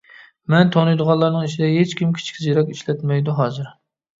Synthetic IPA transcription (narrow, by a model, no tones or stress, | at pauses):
mɛnt̪ʰonɨjd̪əʁɑlˠɑɾnɨŋit͡ʃʰid̪ɛɦet͡ʃkʲimkʲʰi̥t͡ʃʰkʲʰiziɾɑkʲiʃlɛt̪mɛjd̪uɦɑːzɨɾ